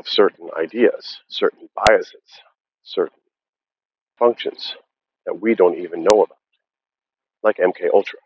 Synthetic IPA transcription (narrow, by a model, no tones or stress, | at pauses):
ʌv̥sɜ˞ʔn̩a̰ɪdiɨ̰z̥sɜ˞ʔn̩b̥aɪɨsɪz̥ | sɜ˞ʔn̩ | fʌ̃ŋkʃɨ̰̃nz̥ | ðɨ̰t̚widõʊ̃ntivɨ̃nːoʊəbaʊt̚ | laɪkɛ̃mkʰeɪʔʌlˠtʰɹ̥ə